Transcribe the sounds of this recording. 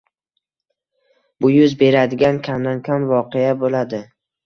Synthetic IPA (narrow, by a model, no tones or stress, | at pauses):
b̥ʊjʊzbe̞ɾad̪ɪɡʲankʲʰamd̪ankʲʰamvɒqejabolad̪ɪ